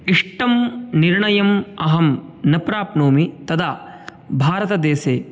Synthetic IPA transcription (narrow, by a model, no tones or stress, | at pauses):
iʂʈɐmniɾɳɐjɐmɐɦɐmnɐpɾaːpnoːmit̪ɐd̪aː | bʱaːɾɐt̪ɐd̪eːseː